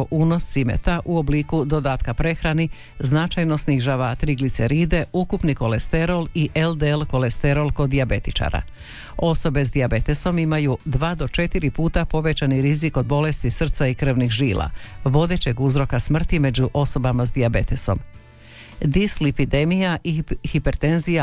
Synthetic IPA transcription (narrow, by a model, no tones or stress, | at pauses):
ʔuːno̞ssimḛt̪aʔuobliːkud̪o̞d̪aːt̪kapɾe̞xɾani | znat͡ʃajno̞sniʒaːʋat̪ɾiɡlit̪seɾiːd̪e̞ukupniko̞lest̪e̞ɾo̞liʔeld̪elko̞lest̪e̞ɾo̞lˠko̞d̪ːiabe̞t̪it͡ʃa̰ɾa̰ | o̞so̞be̞zd̪iabe̞t̪e̞so̞mimajud̪ʋaːd̪o̞t͡ʃe̞t̪iɾipuːt̪apo̞ʋe̞t͡ɕaniɾiziko̞d̪̚bo̞le̞st̪isr̩t̪saikr̩ʋnixʒiːlʔa̰ʋo̞d̪e̞t͡ɕe̞ɡuzɾo̞kasmr̩t̪ime̞d͡ʑuʔo̞so̞bamazd̪iabe̞t̪e̞so̞̰m | d̪islipid̪e̞mijaihipe̞ɾt̪e̞nzija